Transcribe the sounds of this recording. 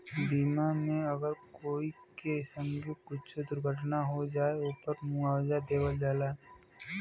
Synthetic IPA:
b̪iːmamẽɐɡəɾkoːikesə̃ŋɡekʊt͡ʃʰed̪ʊɾɡʱəʈʰnaɦod͡ʒaːeʊpəɾmʊaːwzad̪eːwəld͡ʒaːlaːe

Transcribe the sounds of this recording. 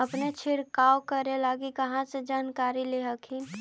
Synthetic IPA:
əpnet͡ʃʰɪɾkaːokəɾelaːɡikɐɦãsed͡ʒaːnkaːɾileɦəkʰin

